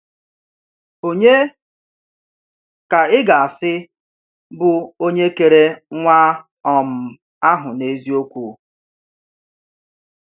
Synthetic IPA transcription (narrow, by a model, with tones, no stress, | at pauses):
o˨ɲe˦ | ka˨ɪ˦ɡa˨a˨sɪ˦ | bʊ˨o˦ɲe˦ke˨ɾe˦ŋʷa˦ | ɔ˨m̩˨ | a˦ɦʊ˨ne˦zi˦o˦kʷu˨